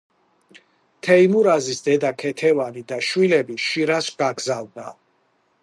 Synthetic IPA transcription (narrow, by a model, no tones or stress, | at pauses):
t̪ʰɛimuɾazisd̪ɛd̪akʰɛt̪ʰɛvanid̪aʃwilɛbiʃiɾasɡ̥aɡzald̪a